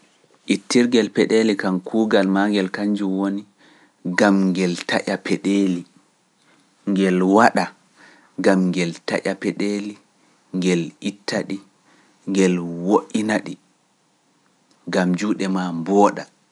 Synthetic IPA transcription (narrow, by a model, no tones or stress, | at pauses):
ʔitːiɾɡɛlpɛɗelikankʰuːɡalmaŋɡɛlkaɲd͡ʒumwoni | ɡamŋɡɛltaʔʲapʰɛɗeːli | ŋɡɛlwaɗa | ɡamŋɡɛlta̰ʔapɛɗeli | ŋɡɛlitʰːaɗi | ŋɡɛlwoʔinaɗi | ɡamd͡ʒuːɗɛmambɔːɗa